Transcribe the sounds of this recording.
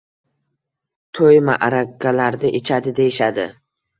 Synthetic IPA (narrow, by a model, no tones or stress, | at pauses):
t̪ʰojma̰ʔaɾakːalaɾd̪ɪʔɪt͡ʃʰad̪ɪd̪ejɪʃad̪ɪ